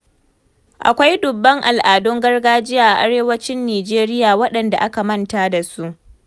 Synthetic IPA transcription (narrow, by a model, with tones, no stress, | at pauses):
ʔa˨kʷa˦jdʊ˨bːɐ˦ŋʔa˨lʔaː˨dʊ˦ŋɡɐ˦rɡaː˦d͡ʒɪ˦jaː˨ʔa˨ʔa˦ɽeː˦wɐ˦t͡ʃɪ˦nːiː˨d͡ʒeː˦ɾɪ˦jaː˨wɐ˦ɗɐ˨nda˨ʔa˦ka˨mɐ˦nta˦da˨su˦ʔ